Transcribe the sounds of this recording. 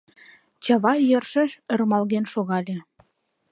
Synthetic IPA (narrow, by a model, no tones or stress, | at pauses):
t͡ɕɑβɑjərʃə̆ʃə̆rmɑlɣenʃoɣɑlʲe